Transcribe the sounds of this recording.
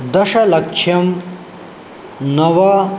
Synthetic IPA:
d̪ɐʃɐlɐkʂʰjɐm | nɐʋɐ

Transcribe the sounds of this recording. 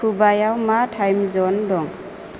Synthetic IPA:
ubajawmatʰajmzɔndɔŋ

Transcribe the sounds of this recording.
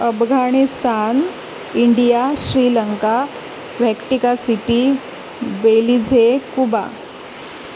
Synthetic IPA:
əfɡʱaɽ̃ist̪ʰan | iɳɖijaɕɾiːləŋka | ʋɛkʈikasiʈi | belid͡zʱekuba̰

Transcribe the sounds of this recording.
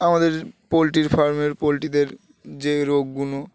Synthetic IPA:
amad̪eɾpolʈiɾfaɾmeɾpolʈid̪eɾ | d͡ʑeɾoɡːuno

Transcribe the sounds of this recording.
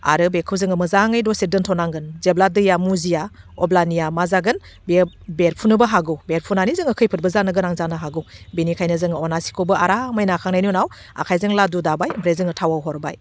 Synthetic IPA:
a̰ɾɯbekʰɯwzɯŋɯmɯzaŋɯjdɔsidɯntʰɔnaŋɡɯnzebladɯjamuziaɔblanijamazaɡɯn | bebeɾpʰunɯbɐɦaɡɯwbeɾpʰunanizɯŋɯkʰɯjpʰɯt̚bɯzanɯɡɯnaŋzanɯɦaɡɯwbinikʰajnɯzɯŋɯɔnasi̥kʰobɯaɾamɯjnakʰaŋnajnunaw | a̰kʰajzɯŋladudabajbɾezɯŋɯtʰawawɦɔɾba̰j

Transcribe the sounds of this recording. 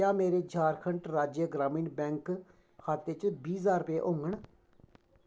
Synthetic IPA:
aːmeːɾeːd͡ʒaːɾkʰəɳʈɾaːd͡ʒeɡɾaːmĩːnbɛ̃ːŋk | kʰaːt̪ːeːt͡ʃbiːzaːɾpeːʔõːŋɡəɳ

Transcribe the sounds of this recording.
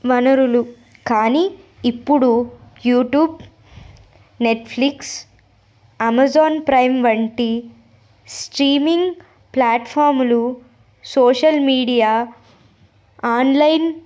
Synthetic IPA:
ʋɐnɐɾulu | kaːniː | pːuɽujuːʈjuːb | neʈpʰliks | ɐmɐzaːnpɾɐjmʋɐɳʈi | sʈɾiːmiŋɡ | plaːʈpʰaːɾmlu | soːʃɐlmiːɽijaː | aːnlɐjn

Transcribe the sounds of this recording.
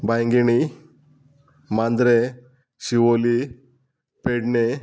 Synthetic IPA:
bajŋɡiñi | mand̪ɾe | ɕiwoli | peɖne

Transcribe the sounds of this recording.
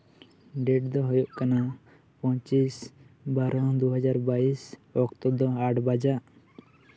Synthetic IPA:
ɖɛʈd̪ɔɦɔjɔʔkana | pɔ̃ɲt͡ʃisbaɾɔ̃d̪uɦad͡ʒaɾbaisɔkt̪ɔbd̪ɔaʈbad͡ʒaʔ

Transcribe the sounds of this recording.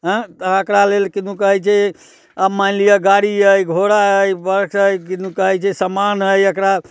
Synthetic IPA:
ɦə̃t̪əəkɾalelkinũkəɦɛt͡ʃʰɛ | əmaɪlijaɡaɽiəjɡʱoɾaəjbəɾksəjkinukəɦɛt͡ʃʰɛsəmanɦəjəkɾa

